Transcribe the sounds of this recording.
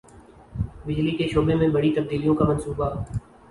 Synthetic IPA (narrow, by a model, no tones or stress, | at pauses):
bɪd͡ʒlikeʃoːbemẽbɐɽit̪ɐb̚d̪iːlijõkamənsuːba